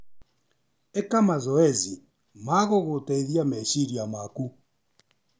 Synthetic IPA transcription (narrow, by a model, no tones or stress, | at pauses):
ekamazɔɛzi | maɣoɣotɛiðiamɛʃiɾiamaku